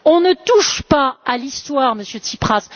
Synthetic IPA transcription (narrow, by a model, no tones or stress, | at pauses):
ɔ̃nət̪uʃpaalist̪waʁməsjøt̪ipχas